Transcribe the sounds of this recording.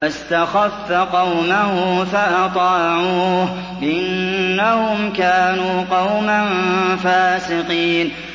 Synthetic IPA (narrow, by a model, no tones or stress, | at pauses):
ast̪axafːaqɑwmahʊfaʔɑt̪ˤɑːʕuːh | ʔʔanːahʊmkaːnuːqɑwmanfaːsɪqiːn